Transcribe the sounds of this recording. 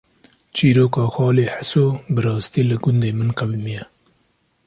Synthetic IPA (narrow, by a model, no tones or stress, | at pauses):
t͡ʃiɾokɑːxɑːleħasobəɾɑːst̪ilaɡʊnd̪emənqawimija